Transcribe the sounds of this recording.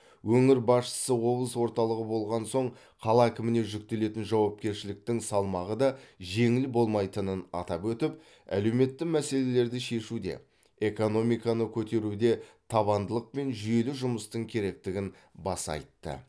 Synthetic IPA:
wɵŋɪɾbɑsʃə̥səwo̞blˠəswo̞ɾt̪ɑlˠəʁəbo̞lˠʁɑnso̞ɴ | qʰɑlˠɑækʲɪmɪne̞ʒʏk̚t̪e̞le̞t̪ɪnʒɑwɑp̚kʲe̞ɾʃɪlɪk̚t̪ɪŋsɑlˠmɑʁəd̪ɑʒe̞ŋɪlɪbo̞lˠmɑjt̪ənənɑ̰t̪ɑpwɵt̪ɪp | æ̰le̞wme̞t̪ːɪmæse̞le̞le̞ɾd̪ɪʃe̞ʃud̪e̞̰ | e̞ko̞no̞mijkɑnəkʲʰɵt̪e̞ɾud̪e̞t̪ʰɑβɑnd̪əlˠəq̚pe̞nʒʏje̞lɪʒʊməst̪əŋkʲʰe̞ɾe̞k̚t̪ɪɡʲɪn | bɑsɑ̰jt̪ːə̰

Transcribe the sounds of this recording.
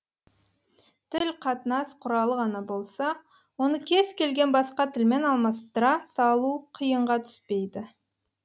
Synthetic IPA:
t̪ʰɪlqʰɑt̪ənɑsqʰʊɾɑlˠəʁɑnɑbo̞lˠsɑ | wo̞nəkʲʰe̞z̥kʲʰe̞lɡʲe̞nbɑsqɑt̪ʰɪlme̞nɑlˠmɑst̪əɾɑsɑlˠuqʰijəɴʁɑt̪ʰʏ̥spe̞jd̪ɪ

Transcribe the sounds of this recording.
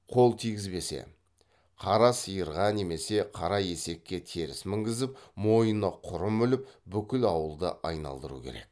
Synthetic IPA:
qʰo̞lˠt̪ʰijɡʲɪzbe̞sḛ | qʰɑɾɑsəjəɾʁɑne̞me̞se̞qʰɑɾɑje̞se̞kʲːe̞t̪ʰe̞ɾɪsmɪŋɡʲɪzɪpmo̞jənəqʰʊɾəmʏlɪp̚bʏkʲɪlɑwəlˠd̪ə̰ʔɑjnɑ̰lˠd̪əɾṵkʲʰe̞ɾe̞̰k̚

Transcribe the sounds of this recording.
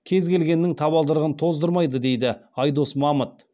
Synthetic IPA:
kʲʰe̞zkʲe̞lɡʲe̞nːɪŋt̪ʰɑβɑlˠd̪əɾəʁənt̪ʰo̞zd̪əɾmɑjd̪əd̪e̞jd̪ɪɑjd̪o̞smɑmət̪̚

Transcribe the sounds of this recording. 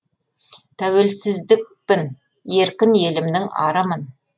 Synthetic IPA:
t̪ʰæwelsɪzd̪ɪk̚pɪn | je̞ɾkʲɪnje̞lɪmd̪ɪŋɑ̰ɾəmən

